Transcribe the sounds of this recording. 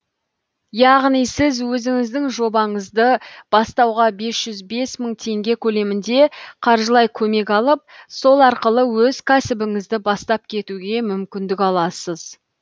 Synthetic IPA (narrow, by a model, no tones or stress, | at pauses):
jɑʁnijsɪzwɵzɪŋɪzd̪ɪŋʒo̞bɑɴəzd̪əb̥ɑst̪ɑwʁɑbe̞sʒ̥ʏzbe̞sməɴt̪ʰe̞ŋɡʲe̞kʲʰɵle̞mɪnd̪e̞qʰɑɾʒəlˠɑjkʲʰɵme̞kɑlˠəp̚so̞lˠɑɾqəlˠəwɵzkʲʰæsɪbɪŋɪzd̪ɪbɑst̪ɑp̚kʲʰe̞t̪uɡʲe̞mʏmkʲɪnd̪ɪkɑlˠɑsəz̥